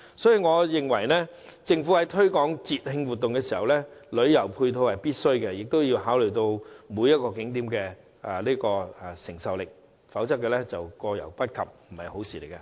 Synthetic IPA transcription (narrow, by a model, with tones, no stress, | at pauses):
sɔː˨˥ji˨ŋɔː˨˧jɪ˨ŋwɐ˨˩jnɛː˥t͡sɪ˧ŋfu˨˥hɐ˨˥jt̪ʰɵ˥ɥkɔː˨˥ŋt͡siː˨t̚hɪ˧ŋwuː˨t̪ːʊ˨ŋkɛː˧siː˨˩hɐ˨wlɛː˥lɵ˨˧ɥjɐ˨˩wpʰuː˧jt̪ʰo˧whɐ˨jpiː˥t̚sɵ˥ɥkɛ˧jɪ˨k̚t̪o˥wji˧wɦaː˨˥wlɵ˨˩jt̪o˧wmuː˨˧jɐ˥t̚kɔː˧k̬ɪ˨˥ŋt̪̬iː˨˥mkɛː˧ | ɛ˨liː˥kɔː˧ɛ˨˩sɪ˨˩ŋsɐ˨wlɪ˨k̚ | fɐ˨˥wt͡sɐ˥k̚ːɛː˧lɛ˥t͡sɐ˨wkɔː˧jɐ̰˨˩wpɐ˥t̚kʰɐ̰˨p̚m̩˨˩hɐ̰˨˩jho˨˥wsiː˨˩le˨˩kɛ˧